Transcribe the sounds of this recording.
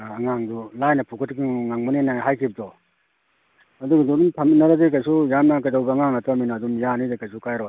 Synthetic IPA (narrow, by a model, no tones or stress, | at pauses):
ɐŋaŋdulajnɐpʰukʰɯtkɯŋŋaŋmɔnenaɦajkʰib̚dɔ | ɐduɡadudumtʰɐminːaɾazek̬ajsujamnakadawbaŋaŋataminaːdumjanidekajsukajɾɔ